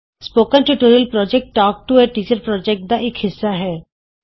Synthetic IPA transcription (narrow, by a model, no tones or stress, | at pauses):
spoːkənʈuʈoːɾiəlpɾɔːd͡ʒɛk̚ʈːɔːk̚ʈueʈiːt͡ʃəɾpɾɔːd͡ʒek̚ʈ̚d̪aʔekhɪsːaɦɛː